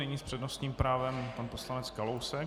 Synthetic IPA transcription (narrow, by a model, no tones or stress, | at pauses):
nɪɲiːspr̝̥ɛdnost̪ɲiːmpɾaːvɛmpanposlanɛt͡skalowsɛk